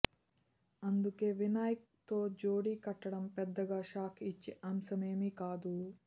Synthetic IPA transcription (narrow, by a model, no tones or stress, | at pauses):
ɐnd̪ukeʋinaːjk̚t̪oːd͡ʒoːɽikɐʈːɐɽɐmpɛd̪ːɐɡaːʃaːkʰit͡ʃːiʔɐmsɐmeːmikaːd̪u